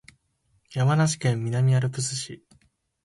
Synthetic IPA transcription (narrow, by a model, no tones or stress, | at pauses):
jamanaɕi̥kẽ̞mːʲinamʲiaɾɯ̟pɯ̟sɨɕi